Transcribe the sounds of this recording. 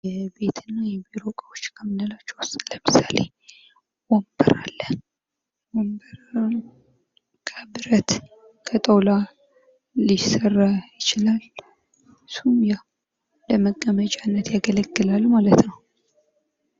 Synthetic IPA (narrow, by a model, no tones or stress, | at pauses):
jɛbe̞t̪ʰɨnːajɛbiɾo̞kʼəwot͡ʃːkʰəmɨnːəlat͡ʃːwɔst̪ʼləmɨsalḛ | wɔmbəɾa̰lːə | wɔmbəɾ | kʰəbɨɾət̪ | kʰət̪ʼəwla | lisərːajɪt͡ʃɪlal | sumja | ləməɡʼːəmət͡ʃʼanːət̪jaɡələɡːɨlalːmalət̪nəw